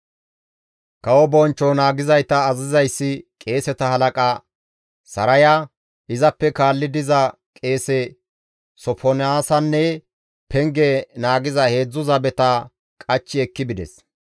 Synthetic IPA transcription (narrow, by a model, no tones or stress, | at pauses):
kɐwɔbɔnt͡ʃːɔnaːɡɪzɐjt̪ɐːzɪzɐjsːɪkʼe̞ːsɛt̪ɐhɐlɐkʼɐ | sɐɾɐjɐ | ʔɪzɐpːɛkaːlːɪd̪ɪzɐ | kʼe̞ːsɛ | sɔfʰɔnɪaːsɐnːɛ | pɛŋɡɛnaːɡɪzɐhe̞ːd͡zːʊzɐbɛt̪ɐ | kʼɐt͡ʃːɪɛkːɪbɪd̪ɛ̰s